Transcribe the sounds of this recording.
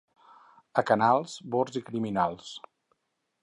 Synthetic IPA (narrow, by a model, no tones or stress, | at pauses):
əkənalˠzboɾzikɾiminalˠs